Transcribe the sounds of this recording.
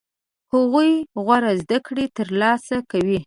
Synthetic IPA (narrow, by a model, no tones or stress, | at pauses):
hʊɣujɣwaɾazd̪akɽet̪əɾlɑsakawi